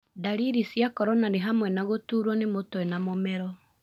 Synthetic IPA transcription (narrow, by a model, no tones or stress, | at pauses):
daɾiɾisjakɔɾɔnaneɦamwɛnaɣotuːɾwɔnemotoɛnamomɛɾɔ